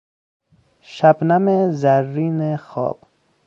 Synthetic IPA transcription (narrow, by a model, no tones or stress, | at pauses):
ʃabnamezæɾːiːnexɒ̰ːb̥